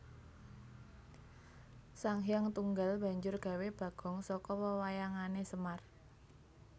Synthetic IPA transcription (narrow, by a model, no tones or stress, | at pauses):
saŋɦjaŋt̪uŋɡalb̥a̤ɲd͡ʒʊrɡ̥a̤web̥ä̤ɡ̥ɔ̤ŋsɔkɔwəwajaŋanesəmar